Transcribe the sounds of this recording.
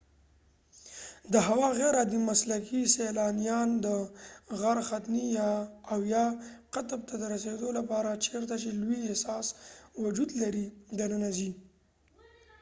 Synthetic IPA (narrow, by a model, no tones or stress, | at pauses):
d̪əɦawɑɣeɾad̪imaslakiselɑnijɑnd̪əɣaɾxat̪nijɑːwjɑqat̪b̚t̪ad̪əɾased̪olapɑɾat͡ʃeɾt̪at͡ʃelwiehsɑswʊd͡ʒud̪laɾid̪anənazi